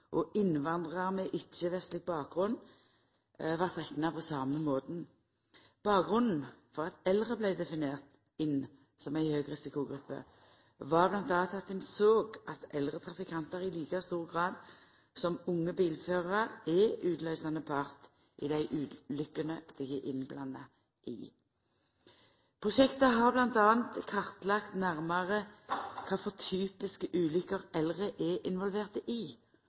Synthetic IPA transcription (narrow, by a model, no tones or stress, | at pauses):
ʔɔʔɪnʋɑnd̪ʁɑʁmɛʔɪt͡ʃːəʋɛst̪lɪɡ̚bɑːk̚ɡʁʉn | ʋɑʁt̪ʁɛknɑpʰɔsɑːməmoːd̪n | b̥ɑːk̚ɡʁʉnn̩fɔʁɑt̪ɛlʁəblæɪd̪ɛfɪneːʁt̪ | ɪn | sɔmæɪhøːɡʁɪsɪkʊɡʁʉpːə̰ | ʋɑʁblɑnt̪ɑːt̪ʰɑt̪ːɪnsoːɡʔɑt̪ɛlʁət̪ʰʁɑfɪkʰɑnt̪əʁɪliːkɑst̪uːʁɡʁɑːd̪ | sɔmʊŋːəbiːlføːʁɑʁɛʉːd̪lœʏsɑnəpʰɑʁt̪ | ʔḭd̪æɪʔʉːlʏkːənəd̪̥ɪɡɛʔɪnblɑnːɑ | ʔɪ̰ | pʰʁʊʃɛkt̪əɦɑʁblɑnt̪ɑːənt̪kʰɑʁt̪lɑkt̪næʁmɑʁəkʰɑːfɔʁt̪ʰyːpɪskəʔʉːlʏkəʁɛlʁəʔɛʔɪnʋɔlʋeːʁt̪əʔɪ